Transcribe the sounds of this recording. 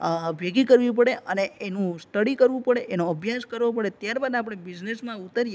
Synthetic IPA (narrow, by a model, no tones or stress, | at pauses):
bʱjeɡikəɾʋĩpəɽeʔəneenũsʈəɽikəɾʋũpəɽeʔenoəbʱjaskəɾʋopəɽet̪jaɾbad̪ap̬əɽɳ̃ebid͡ʒnesmãut̪əɾije